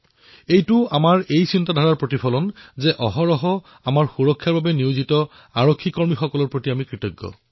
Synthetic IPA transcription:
ejtʊamaɹejsintadʱaɹaɹpɹotipʰɔlɔnzɛʔɔɦɔɹɔɦɔ | amaɹxuɹɔkʰːaɹbabɛniwzitɔ | aɹokʰːikɔɹmixɔkɔlɔɹpɹotiamikɹitɔɡːɔ̰

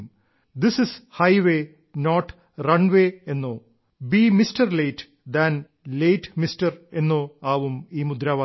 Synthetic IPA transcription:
m | d̪ɪsɪshɐjʋeː | noːʈ | rɐɳʋeːenːoː | biːmistɐrleːʈ | d̪ɐn | leːʈmistɐre̞nːoːaːʋumiːmud̪ɾaːʋaː

